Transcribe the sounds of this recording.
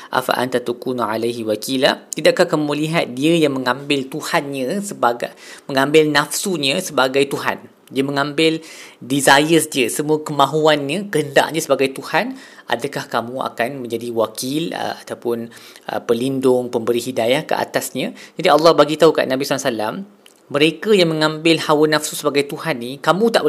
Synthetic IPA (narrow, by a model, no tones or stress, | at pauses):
ʔa̰fa̰ʔa̰nt̪at̪ukunʕalajɦiwakila̰t̪idaʔkahkamũliɦat̪̚diəjaŋmə̃ŋãmbɪlt̪uhanɲə̃səbaɡamə̃ŋãmbɪlnafsuɲə̃səbaɡajt̪uɦa̰n | diəmə̃ŋãmbɪldizajəsdiəsəmũəkəmãɦuanɲə̃kəhənda̰ʔaɲə̃səbaɡajt̪uhanʔa̰dakahkamũa̰kanmə̃ɲd͡ʒadiwakɪlə̰at̪awpʊnə̰pəlindʊŋpəmbəɾiɦidajahkə̰ʔa̰t̪asɲãd͡ʒadiɑlːɑhbaɡit̪aɦuka̰ʔnãbissalamː | əɾekajaŋmə̃ŋãmbɪlhawənafsusəbaɡajt̪uhanːikamũt̪aʔbə